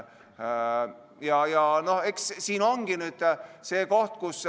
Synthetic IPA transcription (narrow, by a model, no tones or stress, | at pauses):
jɑjɑno̞hekssiːno̞ŋɡ̥inyd̪̥se̞ːko̞ht̪̚kus